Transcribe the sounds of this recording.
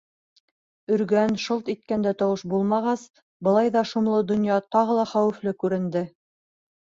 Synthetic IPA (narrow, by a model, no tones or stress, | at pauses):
ɵ̆ɾɡænʃolˠt̪it̪̚kænd̪æt̪ɑwɤʃbulˠmɑʁɑs | bɤ̆lˠɑjðɑʃumlˠɤd̪ŏnjɑt̪ɑʁɤ̆lˠɑχæwɘ̆flɘkʉɾɘ̆nd̪ɘ